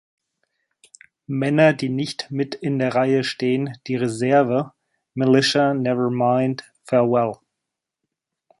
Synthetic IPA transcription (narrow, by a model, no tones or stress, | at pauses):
mɛnɐdiːnɪçtmɪtɪndeːɐʁaɪəʃteːənd̥iːʁezɛɐvə | mɪlɪʃanɛvə˞mãɪ̃nd | fɛɐwɛl